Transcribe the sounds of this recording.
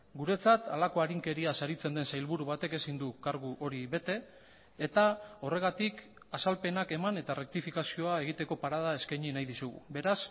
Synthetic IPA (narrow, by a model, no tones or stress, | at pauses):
ɡuɾe̞t͡sat̪alako̞aɾiŋke̞ɾiasaɾit͡se̞nd̪e̞nsajlβuɾuβ̞at̪e̞ke̞sind̪ukaɾɣuʔo̞ɾiβe̞t̪e̞ː | t̪ao̞re̞ɣat̪ik | asalpe̞nake̞mane̞t̪arʔe̞k̚t̪ifikasio̞ae̞ɣ̞it̪e̞ko̞paɾað̞ae̞skajɲinajðisuɣṵbe̞ɾas